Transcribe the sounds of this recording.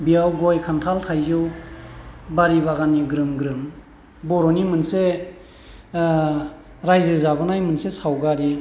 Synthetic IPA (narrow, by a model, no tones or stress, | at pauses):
biawɡɔjkʰantʰaltʰajzɯw | baɾiβaɣaniɡɾɯmɡɾɯm | bɔɾɔnimɯnse | ɾajzɯzabɯnajmɯnsesawɡaɾi